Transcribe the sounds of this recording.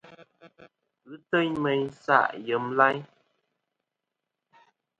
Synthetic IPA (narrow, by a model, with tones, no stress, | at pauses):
ɣʉ˦tə˦ɲmɛ˨ɲsa̰˦˨ʔjə˨˦mla˦ɲ